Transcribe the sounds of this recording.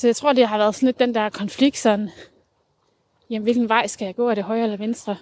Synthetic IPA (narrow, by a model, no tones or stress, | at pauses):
sɒ̽jaɪt͡sʰʁo̝ɐ̰d̥iɦɑ̈ʋæːɐðˠsɒ̽nled̥ːend̥æɐ̰kʰɒ̽nfliɡ̥̚d̥sɒ̽n | jemʋe̝lɡ̥n̩ʋɑ̈ɪ̰sɡ̥æjɑ̈ɪ̥ɔ̰ːæɾ̥eɦɒ̽ɪɐelɐʋensd̥ʁɐ